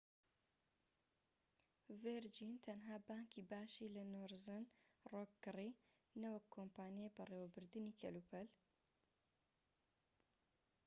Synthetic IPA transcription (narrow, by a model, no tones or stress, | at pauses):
veɾd͡ʒint̪ʰɐnɦaːbaːŋkʰiːbaːʃiːlɐnoːɾzɨnroːkːɨri | nɐwɐkʰːoːmpaːnjebɐreːwɐbɨɾd̪ɨniːkʰɐluːpʰɐl